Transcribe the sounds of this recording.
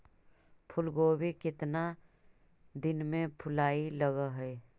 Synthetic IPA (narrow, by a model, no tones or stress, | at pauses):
pʰʊlɡoːbekɪt̪na | d̪ɪnmẽpʰʊlaːiləɡaɦɛː